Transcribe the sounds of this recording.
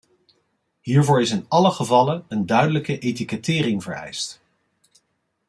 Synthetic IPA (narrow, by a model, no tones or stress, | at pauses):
ɦiːɹvʊːɹɪsɪnɑləχəvɑlənəndœɥdələkəʔejt̬ikətɪːrɪŋvəɹɛ̰jst